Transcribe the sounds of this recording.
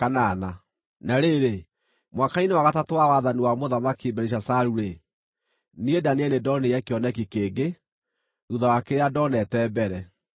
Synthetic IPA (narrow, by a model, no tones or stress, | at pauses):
kanana | naɾeɾe | mwakainewaɣatatwawaðaniwamoðamakibɛɾeɕ̬asaɾuɾe | niedaneɛnedɔneɛkeɔnɛkikeːɡe | uðawakeɾeadɔnɛtɛːbɛɾɛ